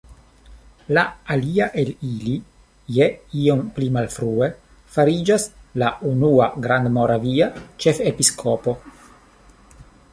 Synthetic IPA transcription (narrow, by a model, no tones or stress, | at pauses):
laaliaʔe̞lili | jeio̞mplimalfɾue̞ | faɾid͡ʒaslaunuaɡɾand̪mo̞ɾaviat͡ʃe̞fepiskʰo̞po̞